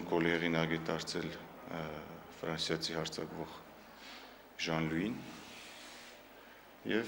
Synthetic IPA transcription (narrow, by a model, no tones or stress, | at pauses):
kɔlɛʁinɑɡɛt̪ɑɾt͡sʰɛl | fɾɑnsjɑt͡sʰihɑɾt͡sʰɑkvɔʁ | ʒɑnlujin | jɛv